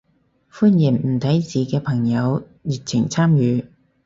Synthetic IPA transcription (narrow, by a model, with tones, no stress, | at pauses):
fuː˥njɪ˨˩ŋm̩˨˩t̪ʰɐ˨˥jt͡siː˨kɛː˧pʰɐ˨˩ŋjɐ˨˧w | jiː˨t̚t͡sʰɪ˨˩ŋt͡sʰaː˥mjyː˨˧